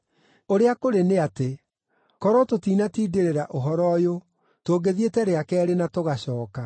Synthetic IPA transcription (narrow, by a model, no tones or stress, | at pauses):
oɾeakoɾeneate | kɔɾɔtotiːnatiːdeɾeɾaʔoɦɔɾɔjo | toːɡeðietɛɾeakɛɾenatoɣaɕɔːka